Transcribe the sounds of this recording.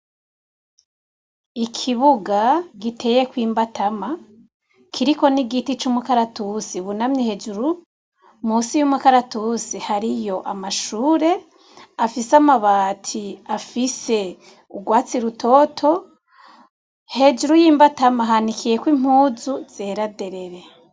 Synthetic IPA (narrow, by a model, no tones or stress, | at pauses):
ikʰiβuɡaɡitʰe̞je̞kwiːmbatama | kʰiɾiko̞niɡitit͡ʃumukaɾatusiβunamɲehe̞d͡ʒuɾu | musijumukaɾatusihaɾijo̞ʔamaʃuːɾe̞ | afisamaβaːtʰiafise̞ | uɡwaːt͡siɾutʰo̞tʰo̞ | he̞d͡ʒuɾujiːmbatamaɦanikʰije̞kwim̥huːzuz̥eːɾade̞ɾe̞ɾe̞